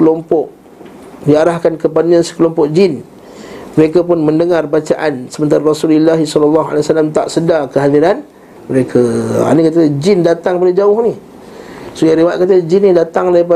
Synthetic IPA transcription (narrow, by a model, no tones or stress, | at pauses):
kəlɔmpɔʔ | diaɾahkankəp̬adaɲasə̥kəlɔmpɔʔd͡ʒɪn | məɾekapʊnməndəŋarbat͡ʃaʔansəmənt̪aɾaɾɔsulilːaɦisɔlalːɑɦa̰lasalamt̪a̰ʔsədakəɦadiɾan | məɾekʰaa̰nikat̪d͡ʒɪndat̪aŋpadad͡ʒaʊhni | sojaɾiwaʔ̪̚kat̪əd͡ʒinːidat̪aŋlaipa